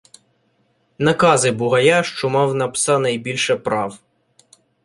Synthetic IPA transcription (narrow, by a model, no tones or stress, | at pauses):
nɐkɑzɪbʊɦɐjaʃt͡ʃɔmɑwnɐpsɑnɐjbʲilʲʃɛpɾɑw